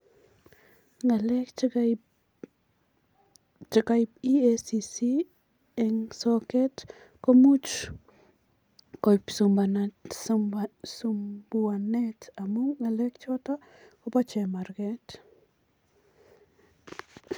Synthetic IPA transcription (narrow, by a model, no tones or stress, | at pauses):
ŋɡalek | t͡ʃakajpiesisi | ɛŋsoket̪ | komut͡ʃ | kojpsumban | sumbuanetamuŋːalekt͡ʃotakopat͡ʃemaɾket̪